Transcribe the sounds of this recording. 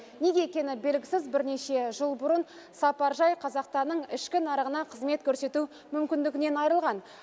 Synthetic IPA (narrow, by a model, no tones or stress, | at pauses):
ne̞ɡʲe̞ekʲe̞nɪbe̞lɡʲɪsɪzbɪɾne̞ʃe̞ʒəlˠbʊɾən | sɑpɑɾʒɑjqʰɑzɑqst̪ɑnːəɴɪʃkʲɪnɑɾəʁənɑqʰəzme̞t̪̚kʲʰɵɾse̞t̪u | mʏmkʲɪnd̪ɪɡʲɪne̞nɑjɾəlˠʁɑn